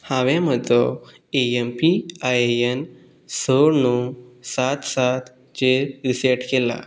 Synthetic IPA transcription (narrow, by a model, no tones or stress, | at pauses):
hãʋɛ̃məd̪ʱɔ | eempiajeen | səɾnusat̪sat̪ | t͡ɕeɾiseʈkela̰